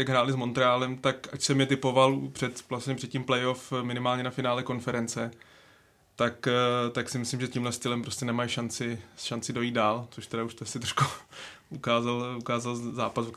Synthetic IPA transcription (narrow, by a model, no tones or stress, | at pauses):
jaɡɦɾaːlɪzmo̞nt̪ɾɛaːlɛmt̪akacsɛmɲɛt̪ɪpo̞valpr̥ɛt̪vlasɲɛpr̝̥ɛt̪̚cimplɛjo̞fmɪnɪmaːlɲɛnafɪnaːlɛko̞nfɛɾɛnt͡sɛ | t̪akt̪aksɪmɪslɪmʒɛciːmlɛst̪ɪlɛmpɾo̞scɛnɛmajʃant͡sɪʃant͡sɪdo̞jiːd̪̚daːlt͡soʃt̪ɛdauʃt̪ɛasɪt̪ɾoʃkuukaːzalukaːzalzaːpasu